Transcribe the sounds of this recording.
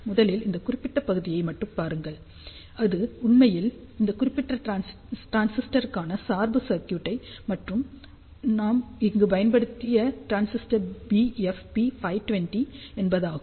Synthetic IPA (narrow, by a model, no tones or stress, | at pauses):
mʊðɐlɪlɪnd̪ɐkʊrɪpːɪʈːɐpːɐɣɯðɪjɐɪmɐʈːɯmpaːɾɯŋɡɐɭ | ɐðɯʊɳmɐjɪl | ɪnd̪ɐkʊrɪpːɪʈrɐ | ʈɾaːnsɪsʈɐɾɯkːaːnɐsaːɾbɯsɐɾkjuːʈːɐɪmɐʈrɯm | naːmɪŋɡɯpɐjɐnbɐɽɯt̪ːɪjɐʈɾaːnsɪsʈɐɾbiɛfbifɐɪʈʊʋɛnʈi | ɛnbɐðaːɣɯ